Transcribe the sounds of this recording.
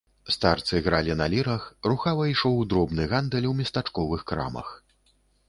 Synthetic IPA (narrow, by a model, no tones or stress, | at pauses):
st̪art̪sɨɣɾalʲinalʲiɾɐxruxavɐiʂɔwd̪ɾɔbnɨɣand̪ɛlʲwmʲɐst̪at͡ʂkɔvɨxkɾa̰mɐ̰x